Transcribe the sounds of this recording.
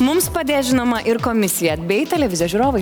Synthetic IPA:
mʊmspɐd̪ʲeːʒʲɪnoːmɐʔɪɾkoːmʲɪsʲɪjɛɐd̪ʲbʲeːjɛɪt̪ʲɛlʲɛʋʲɪzʲɪjoʒʲuːɾoːʋɐɪ

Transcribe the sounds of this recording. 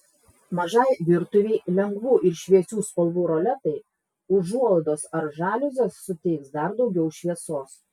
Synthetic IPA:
mɐʒɐɪʋʲɪɾt̪ʊʋʲeɪlʲɛŋɡʋuːʔɪɾʃʲʋʲiɛt͡ʃʲuːspɐlˠʋuːɾoːlʲɛt̪ɐɪ | ʊʒuɔlˠd̪oːsɐɾʒɑːlʲʊzʲeːsːʊt̪ʲɪɪksd̪ɐɾd̪ɒʊɡʲɛʊʃʲʋʲiɛsoːs

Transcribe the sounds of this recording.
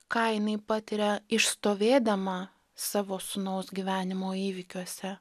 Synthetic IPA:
kɐɪnɐɪpɑːt̪ʲɪɾʲɛɪʃst̪oːʋʲeːd̪ɐmɐ | sɑːʋoːsʊnɐʊsɡʲiʋʲæːnʲɪmoːiːʋʲɪkʲuɔsʲɛ

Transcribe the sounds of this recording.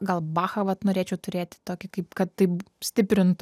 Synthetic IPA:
ɡɐlˠbɑːxɐʋɐt̪noːɾʲeːt͡ʃʲɛʊt̪ʊɾʲeːt̪ʲɪ̥t̪oːkʲɪkɐɪpkɐt̪tɐɪp | sʲt̪ʲɪpʲɾʲɪnt̪ʊ

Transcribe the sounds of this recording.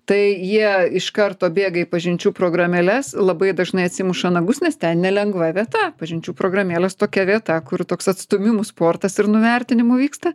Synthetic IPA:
t̪ɐɪjiɛɪʃkɐrt̪oːbʲeːɡɐipɐʒʲɪnʲt͡ʃʲuːpɾoːɡrɐmʲɛlʲɛslˠɐbɐɪd̪ɐʒnɐɪɐt̪ʲsʲiːmʊʃɐnɐɡʊsnʲɛst̪ʲɛnnʲɛlʲɛŋɡʋɐʋʲiɛt̪ɐpɐʒʲɪnʲt͡ʃʲuːpɾoːɡrɐmʲeːlʲɛst̪oːkʲɛʋʲiɛt̪ɐkʊrt̪oːksɐt̪st̪ʊmʲɪmʊspoːrt̪ɐsɪrnʊʋʲɛrʲt̪ʲɪnʲɪmʊʋʲiːkst̪ɐ

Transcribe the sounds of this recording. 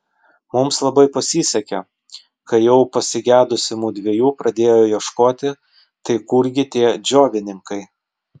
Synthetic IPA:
mʊmslˠɐbɐɪpɐsʲiːsʲɐkʲɛ̰ | kɐjɛʊpɐsʲɪɡʲæːd̪ʊsʲɪmuːd̪ʲʋʲiɛjuːpɾɐd̪ʲeːjoːjɛʃkoːt̪ʲɪ | t̪ɐɪkʊɾʲɡʲɪt̪ʲiːɛd͡ʒʲoːʋʲɪnʲɪŋkɐɪ

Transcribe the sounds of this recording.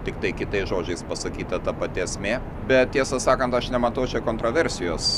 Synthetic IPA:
t̪ʲɪkt̪ɐɪkʲɪt̪ɐɪsʒoːd͡ʒʲɛɪspɐsɐkʲiːt̪ɐt̪ɐpɐt̪ʲiɐsʲmʲeː | bʲɛt̪tʲiɛsɐsɑːkɐnt̪ɐʃnʲɛmɐt̪ɐʊt͡ʃʲɛkoːnt̪ɾoːʋʲɛɾʲsʲɪjoːs

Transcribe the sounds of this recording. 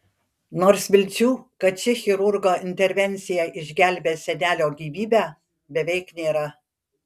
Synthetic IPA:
noːɾsʋʲɪlʲt͡st͡ʃʲuːkɐt͡ʃʲɪxʲɪɾʊɾɡoːɪnʲt̪ʲɛɾʲʋʲɛnʲˑt̪sʲɪjɛʔɪʒʲɡʲæˑlʲbʲeːsʲɛnʲæːlʲoːɡʲiːʋʲiːbʲæ | bʲɛʋʲɛɪknʲeːɾɐ

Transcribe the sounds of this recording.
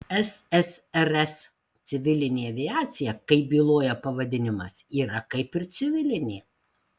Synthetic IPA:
ɛsɛsɛɾɛs | t̪sʲɪʋʲɪlʲɪnʲeːɐʋʲɪɑːt̪sʲɪjɛkɐɪbʲiːlˠoːjɛpɐʋɐd̪ʲɪnʲɪmɐsiːɾɐkɐɪpɪɾt̪sʲɪʋʲɪlʲɪnʲeː

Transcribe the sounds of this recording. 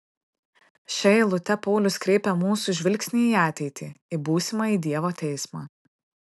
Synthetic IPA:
ʃʲɛlˠʊt̪ʲɛpɔʊlʲʊskɾʲeɪpʲɛmuːsuˑʒʲʋʲɪlʲksʲnʲiːiɑːt̪ʲɛɪt̪ʲiːɪbuːsʲɪmɑːiːd̪ʲiɛʋoːt̪ʲɛɪsmɑː

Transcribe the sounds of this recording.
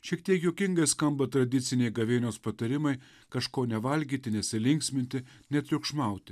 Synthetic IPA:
ʃʲiɛkt̪ʲiɛkjoːkʲɪŋɡɐɪskɐmbɐt̪ɾɐd̪ʲɪt̪sʲɪnʲɛɪɡɐʋʲeːnʲoːspɐt̪ɐɾʲɪmɐɪ | kɐʃkoːnʲɛʋɐlʲɡʲiːt̪ʲɪnʲɛsʲɪlʲɪŋʲksʲmʲɪnʲt̪ʲɪ | nʲɛt̪ʲɾʲʊkʃmɐˑʊt̪ʲɪ

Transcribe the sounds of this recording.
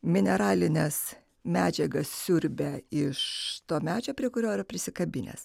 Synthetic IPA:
mʲɪnʲɛɾɑːlʲɪnʲɛs | mʲæːd͡ʒʲɛɡɐssʲʊɾʲbʲeɪʃt̪oːmʲæːd͡ʒʲoːpʲɾʲiɛkʊɾʲoːɪɾɐpʲɾʲɪsʲɪkɐbʲɪnʲḛːs

